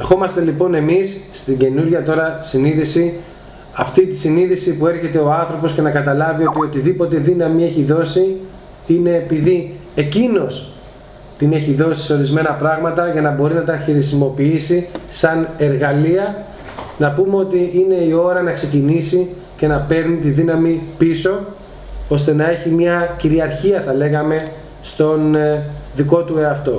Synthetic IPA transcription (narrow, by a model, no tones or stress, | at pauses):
exo̞mɐst̪elipo̞ne̞misːt̪iɟe̞nuɾʝɐt̪o̞ɾɐsiniðisi | ɐft̪it̪isiniðisipue̞ɾçe̞t̪e̞o̞ɐnθɾo̞po̞sce̞nɐkɐt̪ɐlɐvio̞t̪io̞t̪iðipo̞t̪eðinɐmie̞çiðo̞si | ine̞ːpiðie̞cino̞s | t̪ine̞çiðo̞si̥seo̞ɾizme̞nɐpɾɐɣmɐt̪ɐʝɐnɐbo̞ɾinɐt̪ɐxɾisimo̞piisisɐne̞ɾɣɐliɐ | nɐpumeo̞t̪iine̞io̞ɾɐnɐkse̞cinisi | ce̞nɐpe̞ɾnit̪iðinɐmipiso̞ | o̞st̪e̞nɐe̞çimɲɐciɾiɐɾçiɐθɐle̞ɣɐme̞ | st̪o̞nðiko̞t̪ue̞ɐft̪o̞